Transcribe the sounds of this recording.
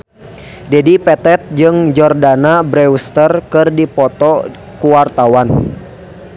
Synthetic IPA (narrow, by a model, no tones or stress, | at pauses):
d͡ʒɛdipɛt̪ɛt̪̚d͡ʒɨŋd͡ʒɔrdanabɾɛust̪ərkɨrdipɔt̪ɔ | kuwart̪awan